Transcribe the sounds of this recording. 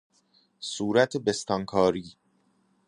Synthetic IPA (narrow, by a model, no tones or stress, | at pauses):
suːɾæt̪ʰebest̪ɒŋkʰɒːɾiː